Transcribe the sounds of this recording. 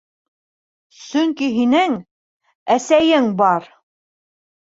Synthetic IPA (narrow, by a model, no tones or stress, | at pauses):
sɵŋkiɦinɘŋ | æsæjɘŋbɑɾ